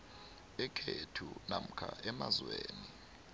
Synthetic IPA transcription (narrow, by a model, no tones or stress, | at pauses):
ɛkʰetʰunam̩kʰaʔɛmazweːni